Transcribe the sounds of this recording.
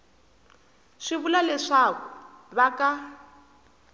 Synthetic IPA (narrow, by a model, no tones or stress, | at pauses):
ʂiβulalɛʂakuβaka